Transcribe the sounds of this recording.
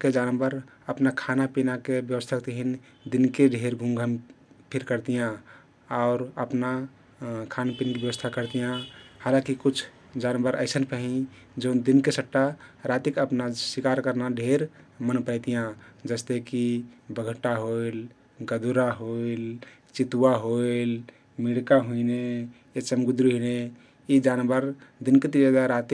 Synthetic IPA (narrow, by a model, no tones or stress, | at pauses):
ked͡ʒanəmbəɾ | əpnakʰanapinakebjəwəst̪ʰəkt̪eɦin | d̪inkeɖʱeɾɡʱũŋɡʱəmpʰiɾkəɾt̪ijã | ɔʊɾəpna | kʰanpinkibjəwəst̪ʰakəɾt̪ijãhalãkikut͡ʃʰ | d͡ʒanəmbəɾəɪsənpʰəɦĩ | d͡ʒəʊnd̪inkesəʈːaɾat̪ikəpnasikaɾkəɾnaɖʱeɾmənpəɪt̪ijãd͡ʒəst̪ekibəɡʱəʈːaɦoil | ɡəd̪ʱuɾaɦoil | t͡ʃit̪uwaɦoil | miɽkaɦuine | jet͡ʃəmɡud̪ɾiɦine | id͡ʒanbəɾd̪inket̪iɾad̪aɾat̪i